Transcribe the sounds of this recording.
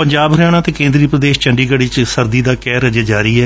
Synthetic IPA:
pəɲd͡ʒaːbɾjaːɽ̃aːt̪eːkẽːnd̪ɾiːpɾəd̪eːʃt͡ʃəɳɖiːɡəɽiːt͡ʃsəɾd̪iːd̪aːkɛːɾəd͡ʒaːd͡ʒaːɾiːɛː

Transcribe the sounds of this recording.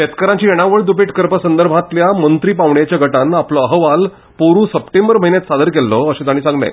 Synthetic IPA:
et̪kəɾãɲt͡ɕiːeɽ̃aʋəɭd̪upiʈkəɾpəsənd̪əɾbʱãt̪ljamənt̪ɾiːpaʋɳjat͡ɕjaɡʱəʈanaploəɦəʋal | poɾũːsəpʈẽmbəɾməɦinjet̪sad̪əɾkelːɔəɕẽt̪aɽ̃iːsãŋɡlḛ̃

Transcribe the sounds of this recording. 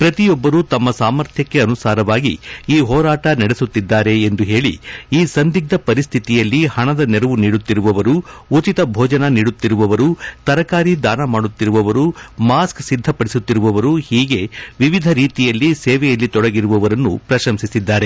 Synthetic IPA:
pɾɐt̪ijɔbːɐɾut̪ɐmːɐsaːmɐɾt̪ʰjɐkːe̞ɐnusaːɾɐʋaːɡḭiːɦɔːɾaːʈɐnɐɽesut̪ːid̪ːaːɾe̞ːnd̪uɦe̞ːɭḭiːsɐnd̪iɡ̚d̪ɐpɐɾist̪ʰit̪ijɐlːihɐɳɐd̪ɐnɛɾɐʋuniːɽut̪ːiɾuʋɐʋɐɾuut͡ʃit̪ɐbʱɔːd͡ʒɐnɐniːɽut̪ːiɾuʋɐʋɐɾut̪ɐɾɐkaːɾid̪aːnɐmaːɽut̪ːiɾuʋɐʋɐɾumaːsksid̪ʱːɐpɐɽisut̪ːiɾuʋɐʋɐɾuhiːɡe̞ʋiʋid̪ʱɐɾiːt̪ijɐlːisɛːʋɛjɐlːit̪ɔɽɐɡiɾuʋɐʋɐɾɐnːṵpɾɐʃɐmsisid̪ːaːɾe̞

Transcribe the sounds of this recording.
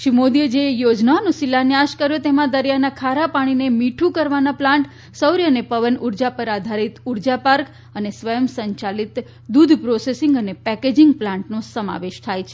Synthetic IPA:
ʃimod̪ied͡ʒejod͡ʒnaonũsilanjaʃkəɾjot̪emãd̪əɾijanakʰaɾapaɽ̃inemiʈʰũkəɾʋanaplãɳʈ | səwɾjənepəʋənuɾd͡ʒapəɾad̪ʱaɾit̪uɾd͡ʒapaɾk | ənesʋəjəmsəɲt͡ʃalit̪ | d̪ud̪ʱpɾosesɪŋɡənepɛked͡ʒiŋɡplãɳʈnõsəma̰ʋeʃt̪ʰajt͡ʃʰe̥

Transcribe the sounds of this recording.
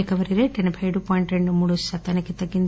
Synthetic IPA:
kɐʋɐɾiɾeːʈenɐbʱʰɐjɽupɔːjiɳʈɾeɳɖumuːɽusɐt̪ːɐnikit̪ɐɡːind̪

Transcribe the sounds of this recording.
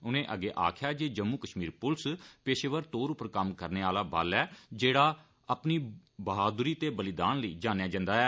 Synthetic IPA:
ʊnẽːʔəɡeːʔa̰ːkʰjaːd͡ʒeːd͡ʒəmːũːkəʃmiːɾpʊlspeːʃeːʋəɾt̪oːɾʊpəɾkəmkəɾneːaːlaːbə̰lɛːd͡ʒeːɽaː | əpniːbəɦaːd̪ɾiːt̪eːbəlɪd̪aːnləiːd͡ʒaːnejaːd͡ʒə̃nd̪aːɛː

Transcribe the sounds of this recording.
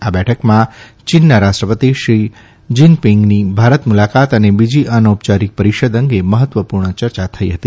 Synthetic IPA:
abɛʈʰəkmãt͡ʃinːaɾaʃʈɾəpət̪iʃɾi | d͡ʒinpiŋɡnibʱaɾət̪mulakat̪ənebid͡ʒiʔənop̚t͡ʃaɾik̚pəɾiʃəd̪əŋɡeməɦət̪ʋəpuɾɳət͡ʃəɾt͡ʃat̪ʰəiɦət̪i

